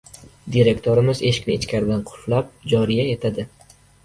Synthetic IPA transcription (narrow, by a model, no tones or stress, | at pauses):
d̪iɾe̞kʲt̪ʰoɾɪmɪze̞ʃɪ̥kʲnɪːt͡ʃkʲʰaɾɪd̪anqʰʊ̥flap̚d͡ʒɒɾijae̞t̪ʰad̪ɪ